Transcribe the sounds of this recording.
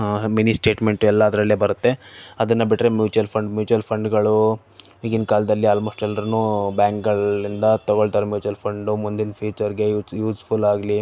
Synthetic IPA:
ɦaminisʈe̞ːʈme̞ɳʈuɛlːɐːd̪ɾɐlːebɐɾut̪ːe̞ɐd̪ɐnːɐbiʈɾe̞mjuːt͡ʃujɐlpʰɐɳɖmjuːt͡ʃujɐlpʰɐɳɖɡɐɭu | iːɡinkaːld̪ɐlːiaːlmoːsʈɛlːɐɾunuːbjaːŋk̚ɡɐɭind̪ɐt̪ɐɡoɭt̪aːɾemjuːt͡ʃuɐlpʰɐɳɖumund̪inpʰiːt͡ʃɐɾiɡe̞ːjuːspʰulaːɡli

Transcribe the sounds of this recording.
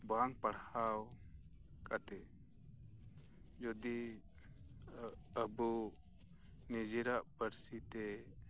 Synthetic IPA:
baŋpaɽhaw | kʼat̪ɛ | d͡ʒɔd̪i | əbu | nid͡ʒiɾaʔbəɾsit̪ɛ

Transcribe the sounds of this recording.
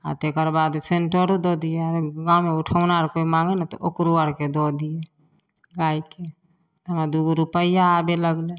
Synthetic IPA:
a̰t̪ekəɾbad̪seɳʈəɾod̪ɔd̪ijeaɾɡãːumeuʈʰəʊnaɾkoimãŋɡenat̪ɔʔokɾuwəɾked̪ɔd̪ije | ɡaike | t̪əmad̪uɡɾupəjaːbeləɡle

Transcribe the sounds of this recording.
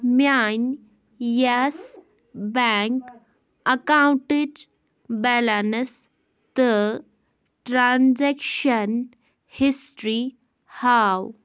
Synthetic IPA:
mjan | jas | bɛŋk | əkawũɳʈid͡ʒ | bɛlanəs | t̪ə | ʈɾand͡zɛkʃən | hisʈɾi | haw

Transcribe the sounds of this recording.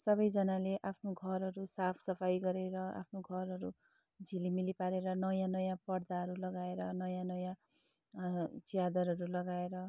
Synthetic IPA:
sʌbʌjd͡zʌnaleʔapʰnoɡʱʌɾɦʌɾusapʰsʌpʰajɡʌɾeɾʌa̰pʰnoɡʱʌɾɦʌɾu | d͡zʱilimilipaɾeɾʌnʌjãnʌjãpʌɽd̪aɦʌɾulʌɡaeɾʌnʌjãnʌjã | t͡sijad̪ʌɾɦʌɾulʌɡaeɾʌ

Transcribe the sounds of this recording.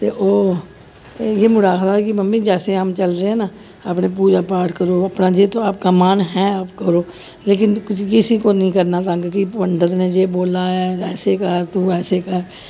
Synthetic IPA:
t̪eːʔoː | jeːmʊɽaːkd̪aːɾkibəmːiːd͡ʒɛːseɦəmt͡ʃəlɾeẽːnaː | apneːp̬uːd͡ʒaːpaːʈʰkəɾoːəpnaːd͡ʒeːt̪oːaːp̚kaːmaːnɦɛ̃ːaːpkəɾoː | leːk̬ɪnkkɪsiːkoːnəĩːkəɾnaːt̪̬aːkkipəɳɖət̪nẽːd͡ʒeːboːlaːɛːɛːseːkəɾt̪uːɛːseːkəɾ

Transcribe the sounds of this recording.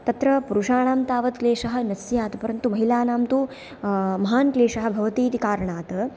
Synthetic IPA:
t̪ɐt̪ɾɐpuɾuʂaːɳaːmt̪aːʋɐt̪kleːʂɐɦɐ̆nɐsjaːt̪ɐpɐɾɐnt̪umɐɦilaːnaːmt̪u | mɐɦaːnkleːʂɐɦɐ̆bʱɐʋɐt̪iːt̪ikaːɾɐɳaːt̪ɐ

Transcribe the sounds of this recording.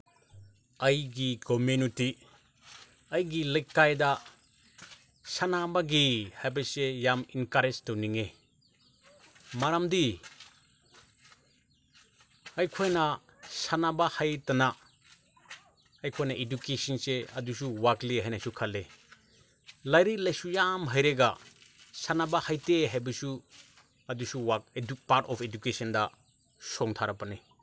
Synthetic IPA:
ɐjɡikomuniti | ɐjɡilɐjkajdɐ | sanabɐɡihajbɐsejaminkaɾestɐwniŋe | maɾamdi | ɐjkʰojnɐ | sanabahajtana | jkʰojnaʔedukesinseɐdus̬uwakliɦajnasukʰale | lajɾilajsujamɦajɾeɡasanabahajteɦajbɐsu | ɐdusuwak̚upaɾtɔpʰedukesɐnda | sɔŋtʰaɾapane

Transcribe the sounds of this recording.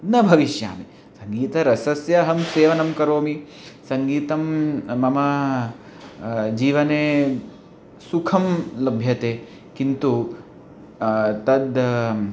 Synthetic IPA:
nɐbʱɐʋiʃja̰ːmi | sɐŋɡiːt̪ɐɾɐsɐsjɐɦɐmseːʋɐnɐmkɐɾoːmi | sɐŋɡiːt̪ɐmːɐmɐ | d͡ʒiːʋɐneː | sukʰɐmlɐbʱjɐt̪eː | kint̪u | t̪ɐd̪

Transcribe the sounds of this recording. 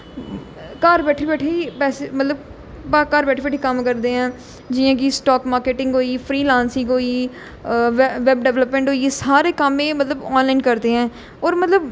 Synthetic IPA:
kaːɾbɛːʈʰibɛːʈʰepɛːsemət̪ləb | baːkaːɾbɛːʈʰebɛːʈʰikəmkəɾd̪eɦɛ̃ː | d͡ʒɪjãːkisʈɔːkmaːɾkeːʈɪ̃ŋɡɦoːiːfʰɾiːlãːnsɪ̃ŋɡɦoːiː | ʋʋɛbɖɛʋləpmɛ̃ːɳʈɦoːisaːɾekəmẽmət̪ləbɔːnlaːɪnkəɾd̪eɦɛ̃ː | ɔːɾmət̪ləb

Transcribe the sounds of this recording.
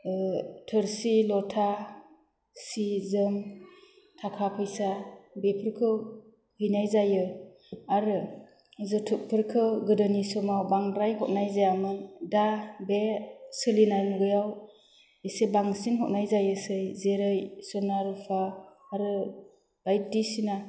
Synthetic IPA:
tʰɯɾsilɔtʰa | sizɯm | tʰakʰapʰɯjsabepʰɯɾkʰɯ | hɯjnajzajɯ | aɾɯ | zɯtʰɯk̚pʰɯɾkʰɯɡɯdɯnisɔmawbaŋɾajɦɔt̚najzajamɯndabesɯlinanuɡɯjaw | isebaŋsinɦɔt̚najzajɯsɯjzeɾɯjsɔnaɾɯpʰaː | ɾɯ | b̥ajt̚disina

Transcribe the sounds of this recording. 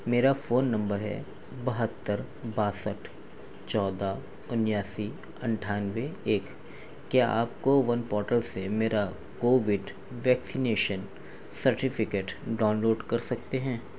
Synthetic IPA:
meːɾafoːnːɐ̃mbəɾɦɛ̰ | bɐɦət̪ːəɾ | baːsəʈʰ | t͡ʃɔːd̪a | ʊnjaːsi | ɐ̃ɳʈʰaːnʋeeːkː | jaa̰ːpkoʋɐnpɔːɾʈəlsemeːɾa | koːʋɪɖ | ʋɛːksineːʃən | sɐɾʈɪfɪkeːʈɖaːnloːɖkɐɾsɐk̚t̪eɦɛ̃ː

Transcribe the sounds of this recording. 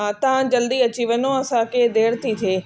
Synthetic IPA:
at̪ɐɦãd͡ʑɐld̪iɐt͡ɕiʋənõɐsãkʰed̪eːɽt̪ʰit̪ʰeː

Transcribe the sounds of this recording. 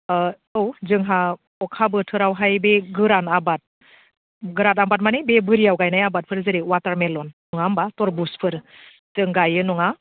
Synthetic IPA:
ɯwzɯŋɦa | ɔkʰabɯtʰɯɾawɦajbeɡɯɾanabat̚ | ɡɯɾatambat̚manibebɯɾijawɡajnajabat̚pʰɯɾzɯɾiwataɾmelɔnːɔŋambatɔɾbuspʰɯɾ | zɯŋɡajɯnɔŋa

